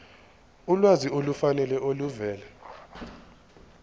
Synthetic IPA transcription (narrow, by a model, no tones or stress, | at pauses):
ulwaziolufanɛlɛʔoluvɛːlɛ